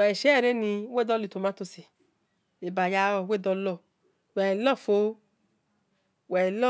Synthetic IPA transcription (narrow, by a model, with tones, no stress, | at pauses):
ɛ˨ʃɛ˦˨ɾe˦ni˧we˦˨dɔ˦li˨to˨ma˦tu˧si˨ | e˨ba˨ja˧˦ɔ˧˨˦we˦˨dɔ˧lɔ˦˨ | wɛ˨lɔ˦˨fo˨˦ | wɛ˨lɔ˦